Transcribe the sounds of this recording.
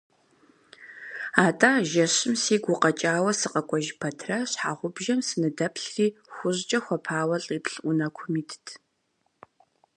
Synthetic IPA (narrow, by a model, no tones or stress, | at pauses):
aːtʼaːʒɐɕɪmsiːɡʷʊqɐt͡ʃʼaːwɐsɨqɐkʷʼɔʒpʰɐtʰraɕħaːʁʷʊbʒɐmsɨnɨdɐpʰɬriːxʷʊʑt͡ʃʼɐxʷɔpʰaːwɐɬʼiːpɬʔʷʊnɐkʷʰʊmiːtʰtʰ